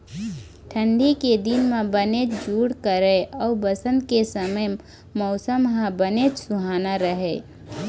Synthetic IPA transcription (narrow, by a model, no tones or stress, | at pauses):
ʈʰə̃ɳɖiked̪ɪnmẽbənet͡ʃd͡ʒuːɽkəɾeɔːbəsə̃nd̪kesəməj | mɔːsəmɦãbənet͡ʃsʊɦaːnaɾəɦeː